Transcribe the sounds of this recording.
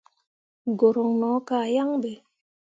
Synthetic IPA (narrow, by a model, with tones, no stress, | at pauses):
ɡo˨ɾo˨ŋnɔ˨˦ka˦˨ja˦ŋbe˨